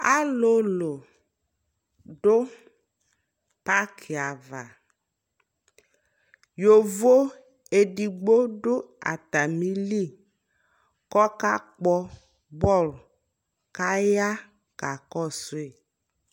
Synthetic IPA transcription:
a˦lo˦lo˨ | ɖʊ˦ | pa˦kʰi˨a˨va˨ | jo˨vo˦ | e˨ɖi˨ɡ͡bo˦ɖʊ˦a̰˨t̪a˨mĩ˦li˦˨ | kɔ˦ka˦k͡pɔ˦ | bɔ˦˨l | ka˦ja˦ | ka˨kɔ˦˨sʊ˦e˨

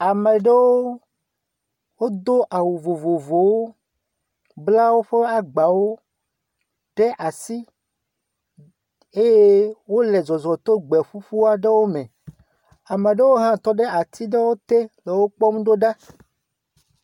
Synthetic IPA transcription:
a˨me˨ɖe˦wo˦ | wo˦d̪o˦ʔa˨wu˨vo˨vo˨vo˨wo˦ | bla˦wo˦ɸe˦a˦ɡ͡ba˨wo˦ | ɖ̥e˦ʔa˨si˦ | e˦je˦wo˦le˨zɔ˨zɔ˨t̪o˦ɡ͡bɛ˨ɸu˦ɸu˦a˦ɖe˦wo˦mẽ˨ | a˨mẽ˨ɖe˦wo˦ɦã˦t̪ɔ˦ɖe˦a˨t̪ʰi˦ɖe˦wo˦t̪e˦le˨wo˦k͡pɔ˦mũ˦ɖo˦ɖa˦

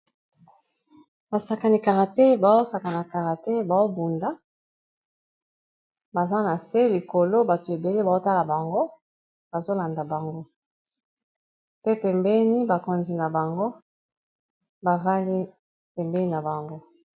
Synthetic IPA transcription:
ba˨sa˨ka˨ni˨ka˨ʁa˨te˦ba˨zo˦sa˨ka˨na˨ka˨ʁa˨te˦ba˨zo˦bu˨nda˦ | ba˨za˦na˨se˦li˨ko˨lo˦ba˨to˨e˨be˨le˦ba˨zo˦ta˦la˨ba˨ŋɡo˦ | b̥a˨zo˦la˨nda˨ba˨ŋɡo˦ | pe˦pɛ˨mbɛ˦ni˦ba˨ko˨nzi˨na˨ba˨ŋɡo˦ | ba˨ʁa˦li˦ | pɛ˨mbɛ˦ni˦na˨ba˨ŋɡo˦

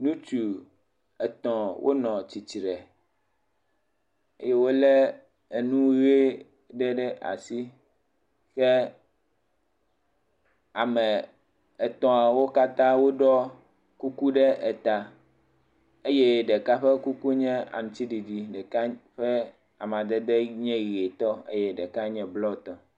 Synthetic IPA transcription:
nũ˦t͡ʃu˨ | ɛ˨t̪ɔ̃˨wʔo̰˦nɔ̃˨t͡ɕi˨t͡ɕi˨ɾɛ˨ | ḛ˦je˦wo˦lɛ˦ | e˨nũ˦ɣe˦ | ɖɛ˦ɖɛ˦ʔa̰˨si˦ | xɛ˦ | a˨mɛ̃˨ | ɛ˨t̪ɔ̃˨a˨wo˦ka˦t̪ã˦wo˦ɖɔ˦ | ku˦ku˦ɖɛ˦ʔɛ˨t̪a˨ | e˦jɛ˦ɖɛ˨ka˦ɸɛ˦ku˦ku˦ɲɛ̃˦a̰˨nũ˨t̪i˦ɖi˨di˨ɖɛ˨ka˦ɸɛ˦ | a˨m˨d̪ɛ˦d̪ɛ˦ɲɛ̃˦ɣi˨e˨t̪ɔ˦ḛ˦jɛ˦ɖɛ˨ka˦ɲɛ̃˨blɔ˦˨t̪ɔ̃˨

